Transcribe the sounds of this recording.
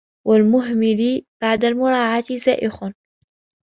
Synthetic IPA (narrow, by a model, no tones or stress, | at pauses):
wʔalmʊɦmɪlib̥aʕd̪almʊɾˤɑːʕaːt̪ɪzaːʔɪxʊn